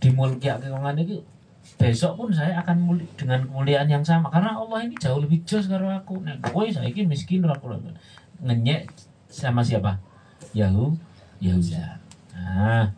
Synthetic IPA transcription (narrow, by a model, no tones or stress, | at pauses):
d̥imuəlkiaʔkɛkɔŋaniku | b̥esɔʔpʊns̬ajaːkanmuld̥əŋankəmuliaʔːnjaŋsamakaɾənaɔlːɔhini̥d͡ʒauhləbid͡ʒɔs̬kaɾuakunaʔbois̬aikimiskɪnrakula̰ | ŋəɲɛʔ | samasiapa | jaɦu | jauja̰a